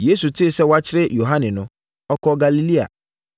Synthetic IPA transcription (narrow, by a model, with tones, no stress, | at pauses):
je˦su˨tʰɪ˦˨sɛ˦wa˦t͡ɕʰɪ˦ɾɪ˦jo˨ɦa˦nɪ̃˨nʊ̃˦ | ɔ˦kʰɔ˦ɡa˨li˦li˦a̰˨